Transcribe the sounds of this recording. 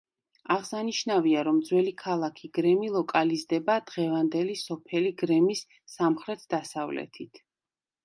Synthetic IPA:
aʁsaniʃnaviaɾɔmd̪zwɛlikʰalˠakʰiɡ̥ɾɛmilˠɔkʼalizd̪ɛbad̪̥ʁɛvand̪ɛlisɔpʰɛliɡɾɛmisː | amχɾɛt̪ʰd̪asavlɛ̰t̪ʰit̪ʰ

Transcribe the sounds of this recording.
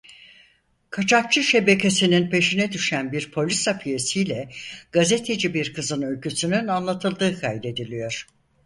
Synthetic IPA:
kʰat͡ʃʰak̚t͡ʃʰɯʃe̞be̞cʲe̞sininpʰe̞ʃinɛd̪yʃænbiɾpʰo̞lʲisapʰije̞sijlʲɛɡ̥aze̞t̪ʰe̞d͡ʒibiɾkʰɯzɯnø̞lʲcysynynanlˠat̪ʰɯlˠd̪ɯːkʰajd̪e̞d̪ilʲijo̞ɾ̥

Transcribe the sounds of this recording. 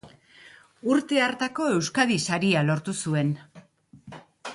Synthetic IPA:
uɾt̪e̞aɾt̪ako̞e̞wskað̞isaɾialo̞ɾt̪usue̞n

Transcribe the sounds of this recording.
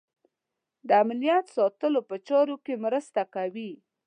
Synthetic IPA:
d̪əamnijat̪sɑt̪əlopət͡ʃɑɾokemɾəst̪akawi

